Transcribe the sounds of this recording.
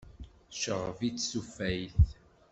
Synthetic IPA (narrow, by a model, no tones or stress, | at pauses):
ʃəʁəvit͡sːsufæjθ